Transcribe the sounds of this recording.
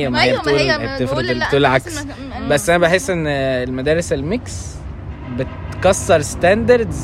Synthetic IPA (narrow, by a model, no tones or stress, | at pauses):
jːæmæhejːæbt̪uːlb̚t̪efɾod̪elibet̪uːlelʕaks | bæsːʔænæbeħesːʔenːelmæd̪æːɾeselmeks | betkɑsːɑɾˤst̪ænd̪ɑɾˤd̪